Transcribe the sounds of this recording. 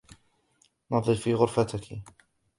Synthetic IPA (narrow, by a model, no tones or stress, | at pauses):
nɑðˤɨdfiːɣʊɾfat̪ɪkʰi